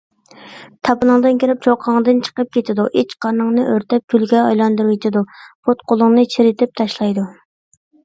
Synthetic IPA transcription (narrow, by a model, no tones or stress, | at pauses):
t̪ʰɑpɨnɨŋd̪ɨnkʲiɾɪp̚t͡ʃʰoqʰɑŋd̪ɨnt͡ʃʰə̥qəp̚kʲet̪ʰɪd̪uʔet͡ʃqʰɑɾnɨŋnɨʔøɾt̪ɛp̚kʲylɡʲɛɑjlˠɑnd̪uɾwit̪ʰɪd̪upʰot̪̚qʰolˠʊŋnɨt͡ʃʰeɾɪt̪ʰɪp̚t̪ʰɑʃlˠɑjd̪u